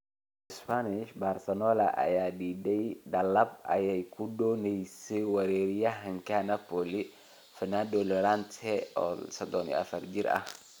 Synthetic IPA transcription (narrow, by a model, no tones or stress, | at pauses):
ɪspanɪʃbarsɐnɔlɐ̰ʔɐ̰jaːdiːdɛjɖɐlɐb̚ɐ̰jɛjkʰʊdɔːnɛjsɛwɐɾɛɾjɐɦɐŋkanapɔli | fɪnad̪ɔlɔɾant̪ʰɛɔsɐd̪ɔnḭɐ̰fɐrd͡ʒɪɾɐ̰h